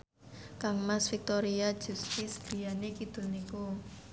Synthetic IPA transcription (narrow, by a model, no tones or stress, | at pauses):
kaŋmasfik̚t̪oɾiḁd͡ʒ̥ṳst̪ɪsɡ̥i̤janekid̪̥o̤niku